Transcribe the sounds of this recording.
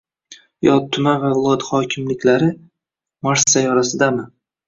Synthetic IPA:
jɒt̪t̪ʰːʊmavavɪlˠɒt̪χɒkʲʰɪmlɪkʲlaɾɪ | maɾsajɒɾasɪd̪amɪ

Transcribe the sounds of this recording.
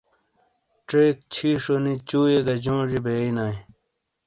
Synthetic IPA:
ʈeːk̚t͡ɕʰiːʂonit͡ɕuːjeɡɐd͡ʑõːʐibeinaj

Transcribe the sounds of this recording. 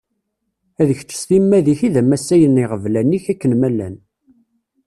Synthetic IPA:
æðəçt͡sːə̥sθimːæðiçiðæmæsːæjəniʁəvlænːiçækːənmælːæ̰n

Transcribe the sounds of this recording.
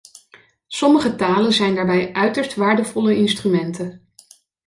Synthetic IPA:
sɔməχətaːlənzɛjndaːɹbɛjʔœɥtəɹstʋaːɹdəvɔləɪnstrymɛntə

